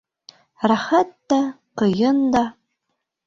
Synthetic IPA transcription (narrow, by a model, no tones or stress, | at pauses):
raχɐtːa | qəjɪnd̪a